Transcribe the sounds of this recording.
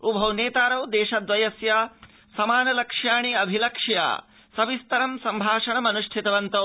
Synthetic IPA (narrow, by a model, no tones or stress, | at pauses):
ubʱɐwneːt̪aːɾɐwd̪eːʃɐd̪ʋɐjɐsjaː | sɐmaːnɐlɐkʂjaːɳiɐbʱilɐkʂja̰ː | sɐbist̪ɐɾɐmsɐmbʱaːʂɐɳɐmɐnuʂʈʰit̪ɐʋɐnt̪ɐ